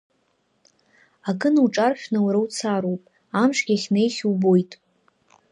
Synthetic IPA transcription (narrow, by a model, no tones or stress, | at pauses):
akɨnuʈ͡ʂʼarʃʲᶣnawɾawt͡sʰaɾowpʼ | amʂɡʲaχʲne̞jsʲubo̞jtʼ